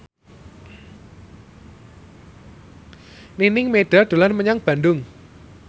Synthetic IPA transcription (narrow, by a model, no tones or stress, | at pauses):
ninɪŋmeɖ̪̥a̤d̪̥o̤lanməɲaŋb̥a̤nɖʊŋ